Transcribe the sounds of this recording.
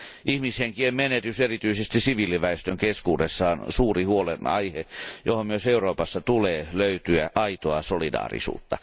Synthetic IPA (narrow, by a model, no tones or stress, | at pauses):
ʔihmisheŋkiemmenet̪yserit̪yisest̪isiʋiːliʋæest̪øŋkeskuːdesːɑonsuːrihuolenɑ̰ihejohommyøseuroːpɑsːɑt̪uleːløyt̪yæʔɑit̪oɑsolidɑ̰ːrḭsṵːt̪ːɑ